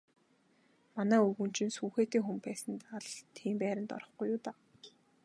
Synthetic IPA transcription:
manæːɵɣɵ̆n̥t͡ɕɪ̆nsuːxeːt̪eːŋxɵmpæːsə̆nt̪aɮt̪ʰiːmpæːɾʲɪ̆nt̪ɔ̰ɾɞ̆χɡujːʊːt̪aː

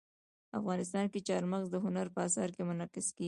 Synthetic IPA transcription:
afɣɑnɪst̪ɑnket͡ʃɑɾmaɣzd̪əɦʊnaɾpəasɑɾkemʊnɑqɪske

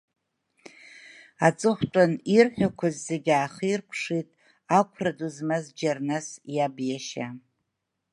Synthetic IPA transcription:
at͡sʼɨχʷtʷʼanirħʷᶣakʷʰazːeɡʲaːχirpʷʰʂitʼ | akʷʰraduzmazd͡ʒarnasjabjaʃa

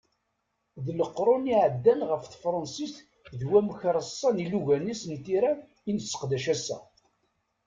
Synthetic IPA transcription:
ðləqːɾˤʊniʕəd̪ːænʁəfθfɾˤɑnsisθ | ðwæmçɾˤəsˤːɑniluʝænisnt̪iɾæ | inəsːə̥qd̪æʃæsæ̰

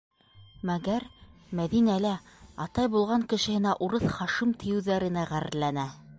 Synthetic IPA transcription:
mæɡæɾmæðinælæɑt̪ɑjbulˠʁɑŋkɘ̆ʃɘ̆hɘ̆næʔuɾɤθχɑʃimt̪ʰĭjɘ̆wðæɾɘ̆næʁæɾɘ̆ɾlːænæ

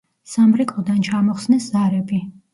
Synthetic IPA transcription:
samɾikʼɔd̪ant͡ʃʰamɔχsnɛszaɾɛbi

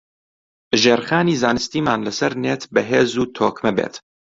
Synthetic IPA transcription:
ʒeːɾxaːniːzaːnɨst̪iːmaːnlɐsɐɾneːt̪bɐɦeːzuːt̪ʰoːkmɛbḛːt̪

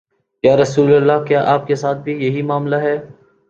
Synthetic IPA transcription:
kjaːɾɐsuːləlːakjaːʔaːp̚kesaːt̪̚ʰbʱijɐɦimaːmlaɦɛː

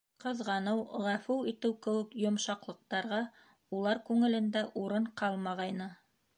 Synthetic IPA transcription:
qɤ̆ðʁɑnɤwʁæfʉlˠit̪ɘwkɘ̆wɘ̆kjŏmʃɑqlˠɤ̆q̚t̪ɑɾʁɑ | ulˠɑɾkʉŋɘ̆lɘ̆nd̪æʔuɾɤɴqɑlˠmɑʁɑjnɤ

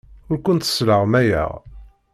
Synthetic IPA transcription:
ʊɾkʷʊnt̪ə̥sləʁmæjæ̰ʁ

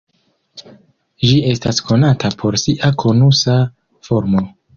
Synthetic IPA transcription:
d͡ʒie̞staskʰo̞natapʰo̞ɾsiʔakʰo̞nusa | fo̞ɾmo

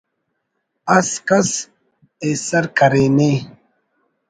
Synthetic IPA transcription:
ɐskɐs | esɐɾkʰɐɾeːne

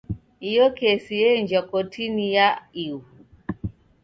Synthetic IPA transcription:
ijɔkɛsiɛnd͡ʒakɔtʰinijaiu

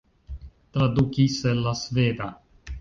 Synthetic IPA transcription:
t̪ɾad̪ukiselːasveːd̪a

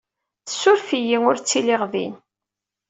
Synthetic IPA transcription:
θəsːʊɾfijiŋʊɾt͡sːiliʁðḭn

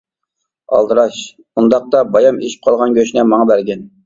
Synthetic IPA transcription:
ɑ̰lˠd̪əɾɑʃ | und̪ɑq̚t̪ɑbɑjɑmeʃi̥p̚qʰɑlˠʁɑnɡʲøʃnɛmɑɴɑbæɾɡʲɛn

